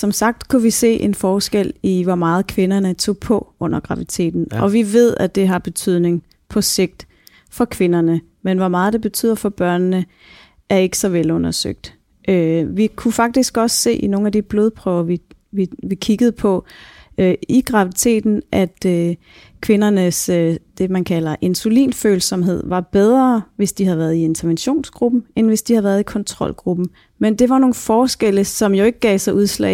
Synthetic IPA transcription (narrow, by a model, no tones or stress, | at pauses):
sɒ̽msɑ̈ɡ̥̚d̥kʰuʋise̝̰ːʔenfɒːsɡ̥el̰iʋɒmɑ̈ːð̞̩ˠkʰʋe̝nɐnət͡sʰo̝̰ːpʰɒ̽ɔ̽n̰ɐɡ̥ʁɑ̈ʋit͡sʰe̝̰ːd̥n̩ʔɒ̽ʋiʋe̝ð̞̰ˠæd̥e̝ɦɑ̈b̥e̝t͡sʰyð̞̰ˠne̝ŋ | pʰɒ̽se̝ɡ̥̚d̥ | fɒ̽kʰʋe̝nɐnə | menʋɒmɑ̈ːð̞̩ˠd̥e̝b̥e̝t͡sʰy̰ð̰ˠɐfɒ̽b̥ɶɐ̰nːə | ʔæɐe̝ɡ̥ə̥sɒ̽ʋelɔ̽nɐsø̰ɡ̥̚d̥ | ʔøʋikʰufɑ̈ɡ̥̚d̥isɡ̥ɒ̽sːe̝̰ːʔino̝ːn̩æd̥ib̥loðˠpʰʁœːʊɐʋi | ʋiʋikʰiɡ̥əð̞̩ˠpʰɒ̽øiɡ̥ʁɑ̈ʋit͡sʰe̝̰ːd̥n̩ʔæd̥ø | kʰʋe̝nɐnəsød̥e̝mænkʰælɐʔe̝nsulḭːnfø̰ːl̩sɒ̽mɦe̝ð̰ˠʋɑ̈b̥eð̞ˠʁɐʋe̝sd̥ihæðˠʋæɐðˠie̝nt͡sʰɐʋenɕo̝̰ːnsɡ̥ʁub̥m̩enʋe̝sd̥ihæðˠʋæɐðˠikʰɒ̽nt͡sʰʁɒ̽lɡ̥ʁub̥m̩ | mend̥e̝ʋɑ̈no̝ːn̩fɒːsɡ̥eləsɒ̽mjo̝e̝ɡ̥əɡ̥ɛ̰ːɪsɑ̈ɪʔuðˠslɛ̰